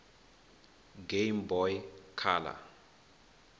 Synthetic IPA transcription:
ɡejmbɔjkʰaːla̰

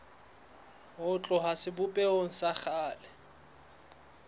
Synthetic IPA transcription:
ɦʊt͡ɬʼʊɦasɪbʊpʼɛoŋ̩saχaːlɛ

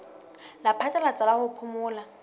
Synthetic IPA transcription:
lapʰatʼɛlat͡sʼalahʊpʰʊmʊːla

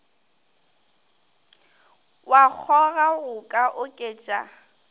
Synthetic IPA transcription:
wak͡xʰɔɣaɣʊkʼaʔʊkʼeːt͡ʃʼa̰

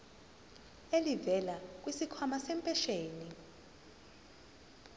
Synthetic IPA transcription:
elivɛlak̬ʼwisikʰɔmasɛmpʼɛʃeːni

